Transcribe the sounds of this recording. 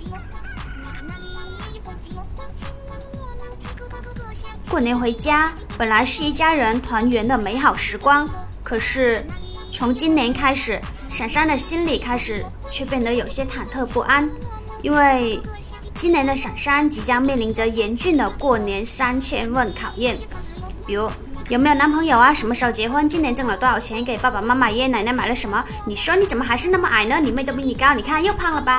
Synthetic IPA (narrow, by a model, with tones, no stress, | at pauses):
kwɔ˥˩njɛ˧˥nxwe˧˥ɪt͡ɕja˥ | pə˨˩nla˧˥ɪʂɻ̩˥˧i˥˩t͡ɕja˥ɻə˧˥nt̪ʰwa˧˥nɥɛ˧˥nd̪ə˧me˧˥ɪxɑ˨˩ʊʂɻ̩˧˥kwɑ˥ŋkʰɤ˨˩ʂɻ̩˥˩ | t͡sʰʊ˧˥ŋt͡ɕi˥nnjɛ˧˥nkʰa˥ɪʂɻ̩˨˩˦ | ʂa˨˩nʂa˥nd̪ə˨ɕi˥nli˨˩kʰa˥ɪʂɻ̩˨˩˦ | t͡ɕʰɥɛ˥˧pjɛ˥˩nd̪ə˩˦jo˨˩ʊɕjɛ˥t̪ʰa˨˩nt̪ʰɤ˥˧pu˥˩ʔa˥n | ḭ˥nwe˥˩ɪ | t͡ɕi˥njɛ˧˥nd̪ə˧ʂa˨˩nʂa˥nt͡ɕi˧˥t͡ɕjɑ˥ŋmjɛ˥˩nli˧˥nʈ͡ʂə˧jɛ˧˥nt͡ɕy˥˩nd̪ə˩kwɔ˥˩njɛ˧˥nsa˥nt͡ɕʰjɛ˥nwə˥˩nt̪ʰɑ˨˩ʊjɛ˥˩n | pi˨˩ɻu˧˥ | jm˧˥jo˨˩na˧˥npʰɤ˧˥ŋjo˨˩ʊa˦ʂə˧˥nmə˧ʂɻ̩˥˩t͡ɕjɛ˧˥xwə˥nt͡ɕi˥njnʈ͡ʂɤ˥˩ŋlə˨˩t̪o˥ɑ˥˩ʊt͡ɕʰɛ˧˥n˥ke˨˩ɪpa˥˩pa˨˩ma˥ma˨˧jɛ˥na˨˩ɪnɛ˧˥ma˨˩ɪlə˦ʂə˧˥nmə˧ | ni˨˩ʂwɔ˥ni˧˥t͡sə˨˩nmə˦˩xa˧˥ɪʂɻ̩˥˧na˥˩mə˧ʔa˨˩ɪnə˦ni˨˩me˥˩ɪt̪pi˥ni˨˩kɑ˥ʊni˨˩kʰa˥˧jo˥˧ʊpʰɑ˥˩ŋlə˩bɐ˨˩